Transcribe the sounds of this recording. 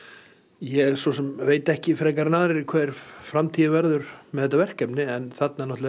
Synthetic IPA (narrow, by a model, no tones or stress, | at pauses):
jɛɛsvɔsɛmveːjt̪ɛhcɪfɾɛːkaɾnaːðɾɪɾɪkʰvɛːɾ̥fɾamt̪ʰiːðavɛɾðʏɾmɛðɛt̪̬ːavɛr̥kɛpnɪɛnθat̪nanɔht̪l